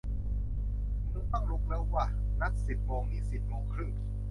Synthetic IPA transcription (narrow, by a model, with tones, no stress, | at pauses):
muː˧˥˦pa˧˩ŋlu˧˥k̚lɛː˦˧˥wwa˧˩ | na˦˧˥t̪̚si˨˩p̪̚mɔː˨˧˦ŋniː˧˥˩si˨˩t̪̚mɔː˨˧ŋkʰɾɯ˥˩ŋ